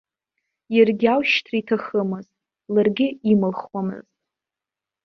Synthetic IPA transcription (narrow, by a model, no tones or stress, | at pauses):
jarɡʲawʃtʰraitʰaχəmɨztʼ | larɡʲɪimɨlχwamɨ̰ztʼ